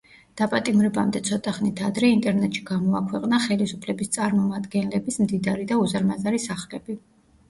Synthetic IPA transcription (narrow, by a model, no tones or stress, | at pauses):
d̪̥apʼat̪ʼimɾɛbamd̪ɛt̪sʰɔt̪ʼaχnit̪ʰad̪ɾɛint̪ʼɛɾnɛt̪ʼʃi̥ɡamɔakʰwɛqʼnaχɛlisupʰlɛbist̪sʼaɾmɔmad̪ɡɛnlɛbismd̪id̪aɾid̪auzaɾmazaɾisaχlɛbi